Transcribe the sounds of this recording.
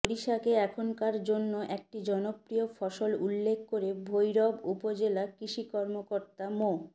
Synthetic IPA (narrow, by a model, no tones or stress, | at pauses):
oɾiʃakeɛkʰonkaɾd͡ʑonːoʔek̚ʈid͡ʑɔnopɾiofʰɔʃolulːekʰkːoɾebʱojɾɔbupod͡ʑelakɾiʃikɔɾmokoɾt̪amo